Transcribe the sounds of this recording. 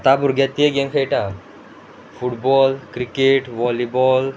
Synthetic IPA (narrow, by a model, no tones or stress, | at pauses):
t̪abuɾɡjat̪ːeɡeŋkʰəjʈa | fuʈbɔlkɾikeʈʋɔlibɔl